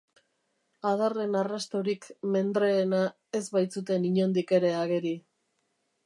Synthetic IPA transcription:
aðare̞narast̪oɾikme̞nd̪ɾe̞ːna | e̞zβajt͡sut̪e̞niɲo̞nd̪ike̞ɾe̞aɣe̞ɾi

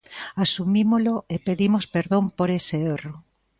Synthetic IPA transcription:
asumimoloepeðimospeɾðompoɾeseero

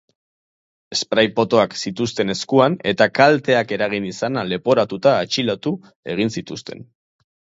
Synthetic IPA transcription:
e̞spɾajpo̞t̪o̞aksit̪ust̪e̞ne̞skuane̞t̪akalt̪e̞ake̞ɾaɣ̞inisanale̞po̞ɾat̪ut̪aːt͡ʃilat̪u | e̞ɣ̞insit̪ust̪e̞n

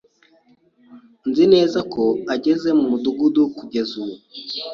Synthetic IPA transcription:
nzine̞ːzakoaɟeze̞mumuduɡudukuɟe̞zuwu

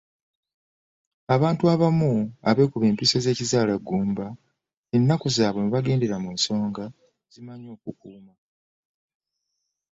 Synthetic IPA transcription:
aβaːntuaβamuaβe̞kuβe̞ːmpiso̞ze̞ːcizaːlaɡːuːmba | enːakuzaːβo̞muβaɡe̞ːnde̞ɾamuːnso̞ːŋɡa | zimaɲo̞ːkukuːma

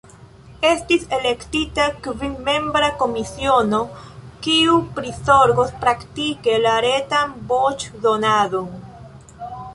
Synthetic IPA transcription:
e̞stise̞le̞ktitakvimme̞mbɾako̞misio̞no̞kiupɾisoɾɡo̞spɾaktike̞laɾe̞tanbot͡ʃdonadon

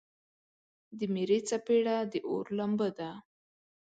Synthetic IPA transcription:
d̪əmeɾet͡sapeɽad̪əʔo̰ɾlambəd̪a

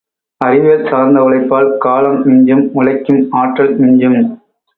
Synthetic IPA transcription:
ɐrɪʋelsaːɾnd̪ɐʊɭɐɪpːaːlkaːlɐmnɪɲd͡ʒɐmʊlɐɪkːɯmaːʈrɐlmɪɲd͡ʒɐm

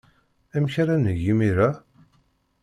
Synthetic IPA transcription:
æmçaɾanəʝimiɾæ

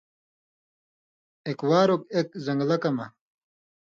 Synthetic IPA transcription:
ekwaːɾokekzɐŋɡlɐkɐmɐ̰

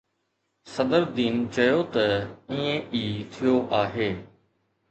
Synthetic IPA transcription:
sɐd̪əɾd̪iːnt͡ɕɐjot̪ɐĩːẽʔiːt̪ʰijoʔaːɦeː

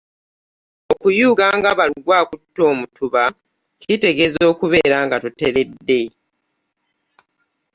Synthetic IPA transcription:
okujuːɡaːŋɡaβaliɡwaːkutːo̞ːmutʰuβa | kite̞ɡe̞zo̞ːkuβe̞ːɾaːŋɡatute̞ɾe̞dːe̞

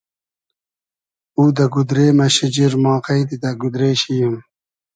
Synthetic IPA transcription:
uːd̪ɐɡud̪ɾeːmɐɕid͡ʑiɾmɑːqɐid̪id̪ɐɡud̪ɾeːɕijim

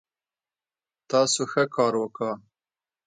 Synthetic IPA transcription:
t̪ɑsoxəkɑːɾwəkə

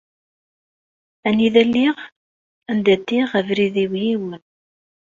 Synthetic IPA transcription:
æniðælːiʁ | ænd̪æt̪ːiʁəvɾiðiwjiwən

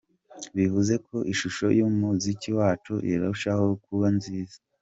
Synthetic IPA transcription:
βivuze̞kʰo̞ʔiʃuʃo̞̰jomuziciwaːt͡ʃṵjeɾauʃaho̞kuβanziːza

